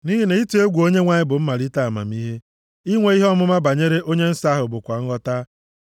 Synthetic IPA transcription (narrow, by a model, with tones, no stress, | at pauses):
ni˦ɦi˦ne˨i˦tu˦e˦ɡʷu˨o˦ɲe˦ŋʷa˨ɲɪ˦bʊ˨m̩˦ma˨ɾi˦ta˦˨a˨ma̰˨m̩˦i˦ɦe˦ | i˦ŋʷe˨˦i˦ɦɔ˦mʊ˦ma˦ba˨ɲe˦ɾe˦ʔo˦ɲe˦n̩˦sa˦ɦʊ˨bʊ˨kʷa˨ŋ̩˦ɣɔ˦ta˦